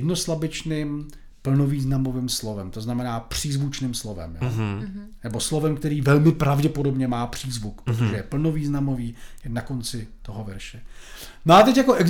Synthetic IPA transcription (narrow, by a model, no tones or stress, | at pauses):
dno̞slabɪt͡ʃnɪm | pl̩noviːznamovɪmslovɛmt̪o̞znamɛnaːpr̝̥iːzvut͡ʃnɪmslovɛ̰mjonɛbo̞slo̞vɛmkt̪ɛɾiːvɛlmɪpɾavɟɛpo̞do̞bɲɛmaːpr̝̥iːzvukpɾot̪oʒɛjɛpl̩noviːznamo̞viːjnako̞nt͡sɪt̪o̞ɦovɛɾʃɛ | noat̪ɛcjakoʔɛɡz